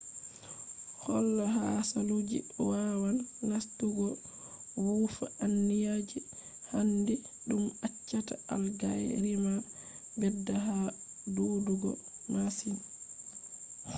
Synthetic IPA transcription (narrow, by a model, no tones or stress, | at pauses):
hɔlːɔɦasalud͡ʒḭwawanːastuɡɔ | wufaʔanːijad͡ʒi | handi | ɗumat͡ʃːataalɡajɾima | bɛdːaɦa | doduɡɔ̰masin